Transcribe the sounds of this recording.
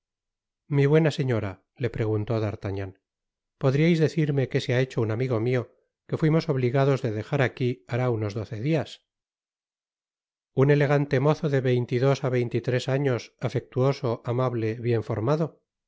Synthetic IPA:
miβwe̞nase̞ɲo̞ɾa | le̞pɾe̞ɣ̞unt̪o̞ðaɾt̪aɲan | po̞ðɾiajzðe̞θiɾme̞ke̞seae̞t͡ʃounamiɣo̞mio̞ | ke̞fwimo̞so̞β̞liɣaðo̞zðeðe̞xaɾakiaɾauno̞zðo̞θe̞ðias | une̞le̞ɣ̞ant̪e̞mo̞θoðe̞βe̞jnt̪iðo̞saβe̞jnt̪it̪ɾe̞saɲo̞safe̞k̚t̪uo̞so̞ʔamaβle̞βje̞ɱfo̞ɾmaðo̞

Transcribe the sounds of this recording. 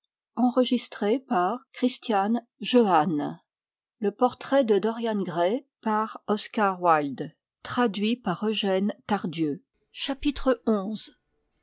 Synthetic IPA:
ɑ̃ʁəʒist̪χepaʁkχist̪jan | ʒøan | ləpɔʁt̪χɛd̪əd̪ɔʁjanɡʁɛ | paʁɔskaʁwald̪ | t̪χad̪ɥipaʁøʒɛnt̪aʁd̪jø | ʃapit̪χəɔ̃z

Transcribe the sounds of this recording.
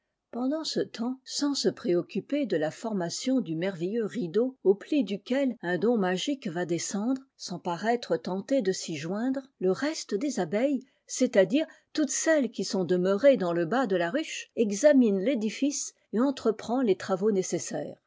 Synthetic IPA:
pɑ̃d̪ɑ̃sət̪ʰɑ̃sɑ̃səpχeɔkʲyped̪əlafɔʁmasjɔ̃d̪ymɛʁvɛjøʁid̪ooplid̪ykʲɛlɛ̃d̪ɔ̃maʒikvad̪esɑ̃d̪ʁsɑ̃paʁɛt̪χət̪ɑ̃t̪ed̪əsiʒwɛ̃d̪ʁləʁɛst̪əd̪ezabɛj | set̪ad̪iʁt̪ut̪sɛlkʲisɔ̃d̪əməʁed̪ɑ̃ləbad̪əlaʁyʃɛɡzaminled̪ifis | eɑ̃t̪χəpχɑ̃let̪χavonesesɛ̰ːʁ

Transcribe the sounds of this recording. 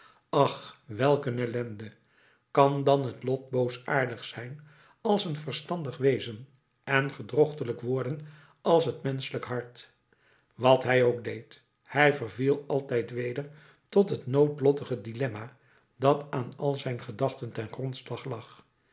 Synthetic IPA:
ɑχʋɛlˠkənɛlɛndə | kɑndɑnɦətlɔt̚bowsa̰ːɹdəχsɛjn | ɑlˠsənvərstɑndəχʋejzən | ɛnχədrɔχtələkʋʊːɹdən | ɑlˠsɦətmɛnsələkɦɑɹt | ʋɑtɦɛjowɡ̚dejt | hɛjvərvilˠɑlˠtɛjtʋejdəɹ | tɔtɦətnowtlɔtəχədilɛma | d̥ɑtaːnɑlˠzɛjnχədɑχtəntɛnχrɔntslɑχlɑχ

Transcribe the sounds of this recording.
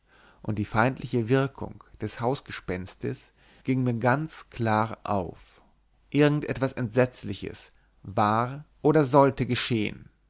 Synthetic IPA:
ʔʊnt̚d̥iːfaɪntlɪçəvɪɐkʰʊ̰ŋd̥ɛshaʊsɡ̥əʃpɛnstəs | ɡ̥ɪŋmiːɐɡant͡skʰl̥aːʁʔa̰ʊf | ʔɪɐɡŋ̩tʔɛtv̥asɛntz̥ɛt͡slɪçə̰s | vaːʁʔoːɾɐzɔltəɡəʃeːə̰n

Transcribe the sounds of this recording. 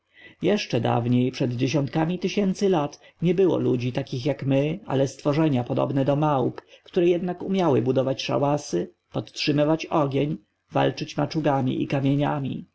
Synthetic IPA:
jɛʂt͡ʂɛd̪a̰vɲejpʂɛd̪d͡ʑeɕ̬ɔnt̪̚kamʲit̪ɘɕɛnt̪sɘlat̪ | ɲɛbɘwɔ̰lud͡ʑit̪akʲixjakmɘa̰lɛst̪fɔʐɛɲapɔd̪ɔ̰bnɛd̪ɔmawpkt̪uɾɛjɛd̪nakumʲjawɘbud̪ɔvat͡ɕʂa̰wasɘ | pɔt̪tʂɘmɘvat͡ɕɔɡʲeɲ | va̰lt͡ʂɘt͡ɕmat͡ʂuɡamʲḭʔḭkamʲjeɲamʲḭ

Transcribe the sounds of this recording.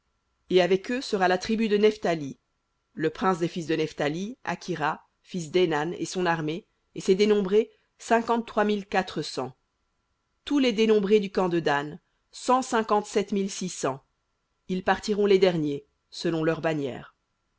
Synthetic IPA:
eavɛkøsəʁalat̪χibyd̪ənɛft̪ali | ləpχɛ̃sd̪efis̬d̪ənɛft̪alia̰kʲʰiʁa | fis̬d̪enanḛsɔ̃naʁme | esɛd̪enɔ̃bʁe | sɛ̃kɑ̃t̪ːχwamilkat̪χəsɑ̰̃ | t̪uled̪enɔ̃bʁed̪ykɑ̃d̪əd̪an | sɑ̃sɛ̃kɑ̃t̪sɛt̪milsisɑ̃ | ilpaʁt̪iʁɔ̃led̪ɛʁnje | səlɔ̃lœʁbanjɛ̰ːʁ

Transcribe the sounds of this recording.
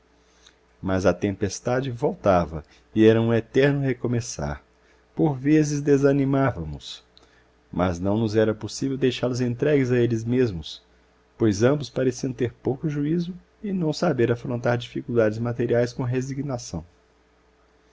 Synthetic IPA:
mɐzɐt̪ẽmpest̪ad͡ʒɪvowt̪avɐ̰ | ɪɛɾɐũet̪ɛɾnʊhekomesa̰ɾ | poɾvezɪzd̪ezɐnimavɐmʊs | mɐznɐ̃w̃nʊzɛɾɐposivewd̪ejʃaɾʊzẽnt̪ɾɛɡɪzɐelɪzmezmʊs | pojzɐ̃mbʊspaɾesiɐ̃w̃t̪eɾpowkʊʒuizʊ | ɪnɐ̃w̃sabeɾafɾõnt̪aɾd͡ʒifikuwd̪ad͡ʒɪzmat̪eɾiajskõɦeziɡnasɐ̃w̃

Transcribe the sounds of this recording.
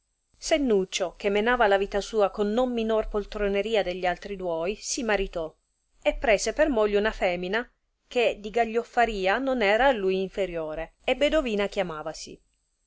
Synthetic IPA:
senːut͡ʃːokemːenaːvalaviːt̪asuːakonːomːinorpolt̪ɾoneɾiːad̪eʎːialt̪ɾid̪wɔjsimaɾit̪ɔ | epːɾɛːsepermoʎːounafɛːmina | ked̪iɡaʎːofːaɾiːanonɛːɾaːlːujiɱfeɾjoːɾeebːed̪oviːnak̟jamaːvasḭ

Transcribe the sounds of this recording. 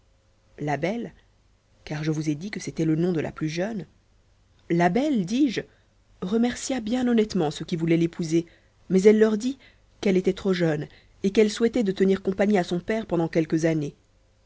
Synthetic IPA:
labɛl | kaʁʒəvuzed̪ikəset̪ɛlənɔ̃d̪əlʔa̰plyʒœn | labɛld̪iːʒ | ʁəmɛʁsjabjɛ̃nɔnɛt̪mɑ̃səkʲivulɛlepʰuze | mɛzɛlːœʁd̪i | kɛlet̪ɛt̪χoʒœn | ekɛlswɛt̪ɛd̪ət̪əniʁkɔ̃paɲiasɔ̃pɛʁpɑ̃d̪ɑ̃kʲɛlkəzane

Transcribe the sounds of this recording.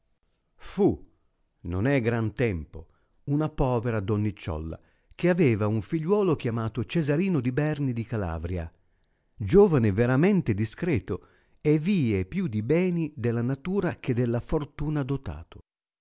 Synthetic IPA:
fu | nonɛɡɾant̪ɛmpo̰ | unapɔːveɾad̪onːit͡ʃːɔ̰lːa̰ | k̟eavɛːvauɱfiʎːwɔːlok̟jamaːt̪ot͡ʃezaɾiːnod̪ibɛrnid̪ikala̰ːvɾja̰ | d͡ʒoːvaneveɾamɛnt̪ed̪iskɾɛːt̪o | ɛvːiːepjud̪ibɛːnid̪elːanat̪uːɾak̟ed̪ːelːafort̪uːnad̪ot̪a̰ːt̪ʊ̥

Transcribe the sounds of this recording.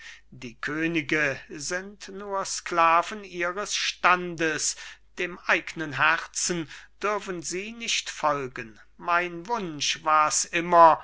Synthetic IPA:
d̥iːkʰøːnɪɡəzɪntnuːɐsklaːvənʔiːʁəsʃtandəsd̥eːmʔaɪɡnənɦɛʁt͡sn̩d̥ʏɐfən̩ziːnɪçtfɔlɡən | maɪnvʊnʃvaːɐsʔɪmɐ

